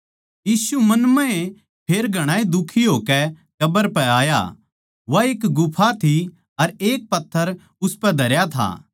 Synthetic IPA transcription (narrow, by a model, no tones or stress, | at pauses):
jiːsumɐnmɛ̃ẽ | pʰeːɾɡʱɐɽ̃aːid̪ʊkʰːiɦoːkɛ | kɐbəɾpɛaːja̰ | ʋaeːkɡʊpʰat̪ʰi | ɐɾeːk̚pɐt̪ʰːəɾ | ʊspɛd̪ʱɐɾjat̪ʰa̰ː